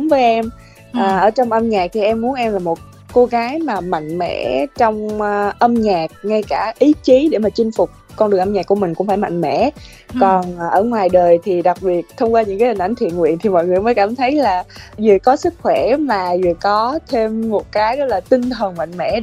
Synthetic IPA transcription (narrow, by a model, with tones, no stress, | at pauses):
ŋ͡mvəː˨˦jʔɛ˧m | ʔəː˨˩ʔəː˧˩t͡ɕɔ˧wŋ͡mʔə˧mɲaː˨˩k̚t̪ʰi˨˩ʔɛ˧mːu˨˦nʔɛ˧mlaː˨˩mo˨˩t̚ | ko˧ɣaː˨˦jmaː˨˩ma̰˧˨ŋ̟mɛ̰˧˥t͡ɕɔ˧wŋ͡mʔə˧mɲaː˨˩k̚ŋa˧jkaː˧˩ʔi˨˦t͡ɕi˨˦ɗe˧˩maː˨˩t͡ɕï˧ŋ̟fʊ˨˩k͡p̚kɔ˧nɗɨ˨˩ŋʔə˧mɲaː˨˩kːu˧˩əmï˨˩ŋ̟kʊ̰˧˥ŋ͡mfaː˧˩jma̰˧˨ŋ̟mɛ̰˧˩˨ | kɔ˨˩n˨˩ʔəː˧˩ŋwaː˨˩jɗəː˨˩jt̪ʰi˨˩ɗa˨˩k̚ɓi˨˩ət̚t̪ʰə˧wŋ͡mkwa˧ɲɨ̰˧˥ŋkːa˨˦hi̟˨˩ʔa˧˩˦ŋ̟t̪ʰḭ˧˨ənŋwḭ˧˨ənt̪i˨˩mɔ̰˧˨jŋɨ˨˩əjməː˨˦jkaː˧˩mt̪ʰə˨˦jlaː˨˩zɨ̰˨˧˨kɔ˨˦sɨ˦˥k̚xwɛ˧˩maː˨˩zɨ̰˧˨əkɔ˨˦t̪ʰe˧mːo˨˩t̚kaː˨˦jzɔ˨˦˥laː˨˩t̪ï˧ŋt̪ʰə˨˩ŋma̰˧˨jŋ̟mɛ̰˧˥